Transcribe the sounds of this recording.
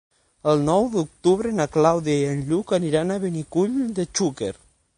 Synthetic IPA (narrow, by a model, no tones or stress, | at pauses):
əlˠnɔwðuk̚t̪uβɾenaklawðjajənʎukaniɾanaβenikuʎd̪et͡ʃukeɾ